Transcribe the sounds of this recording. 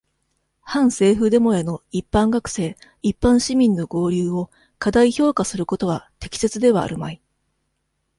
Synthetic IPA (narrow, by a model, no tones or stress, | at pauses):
hãɰ̃se̞ːɸɯ̟d̪e̞mo̞eno̞ipːãŋɡakɯ̟̥se̞ː | ipːãɰ̃ɕimʲĩnːo̞ɡo̞ːɾʲɯːo̞ | kad̪aiço̞ːkasɨɾɯ̟ko̞t̪o̞βat̪e̞̥kʲi̥se̞t͡sɨd̪e̞βa̰ːɾɯ̟mai